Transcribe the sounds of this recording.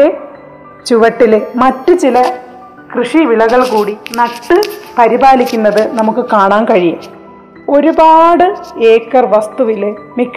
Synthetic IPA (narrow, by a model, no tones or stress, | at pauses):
e | t͡ɕuʋɐʈːilemɐtːɨt͡ɕilɐ | krɨʂiʋilɐɣɐɭkuːɽinɐʈːɨpɐɾibaːlikʲːunːɐðɨnɐmukːɨkaːɳaːnkɐɻijam | o̞ɾubaːɽɨeːkːɐrʋɐst̪uʋilemikː